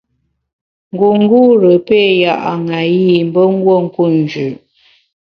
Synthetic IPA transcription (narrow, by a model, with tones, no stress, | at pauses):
ŋ˨ɡu˨ŋ˦ɡu˦ɾə˨pe˦˨ja˦˨ʔa˨ŋa˨ji˦˨m̩˦bə˦ŋ˦ɡwo˦˨ŋ̩˦ku˦˨n˨d͡ʒʉ˨ʔ